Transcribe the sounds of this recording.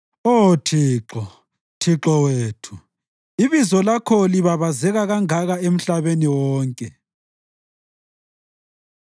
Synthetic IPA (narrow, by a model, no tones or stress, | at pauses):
otʰiːǁɔ | tʰiǁɔweːtʰu | iβizɔlakʰɔliβaβazɛɣaɣaŋaɣaem̩ɬaβeniwɔːŋkʼɛ